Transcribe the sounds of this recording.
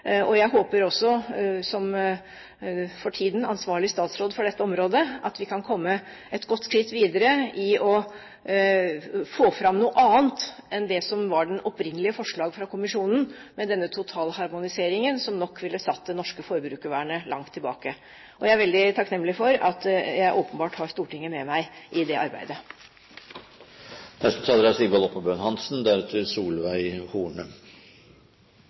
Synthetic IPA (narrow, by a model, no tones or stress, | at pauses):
ɔjæɪhoːpəɾɔsːɔsɔm | fɔʈʰiːd̪n̩ɑnsʋɑːɭɪst̪ɑːt̪sɾoːd̪fɔɖɛt̪ːəɔmɾoːd̪əʔɑ̰t̪ʋɪkʰɑnkʰɔmːə | ɛt̪ɡɔt̪ːskɾɪt̪ːʋiːd̪əɾəɪɔ | foːfɾɑmnuːʔɑːnt̪ɛnd̪ɛsɔmʋɑɖɛnɔpɾɪnːəlɪəfɔʂɭɑːɡfɾɑkʰʊmɪʂuːnn̩mɛd̪ɛnːət̪ʰʊt̪ʰɑːlhɑɾmʊnɪseːɾɪŋənsɔmnɔkːʋɪlːəsɑt̪̚ːd̪ɛnɔʂkəfɔɾbɾʉːkəʋæːɳəlʔɑŋt̪ʰːɪlbɑ̰ːkə | ʔɔjæɪæɾʋɛld̪ɪt̪ʰɑknɛmːlɪfɔɾɑt̪jæɪʔoːpənbɑːʈhɑɾst̪uːʈɪŋːəmɛmæɪʔɪd̪ɛʔɑ̰ɾbæ̰ɪd̪ə | nɛst̪ət̪ʰɑːd̪əɾɑsɪbɑlɔpːəbøːnhɑnsn̩d̪æɾɛt̪ʰəsuːlʋæɪhuːɳə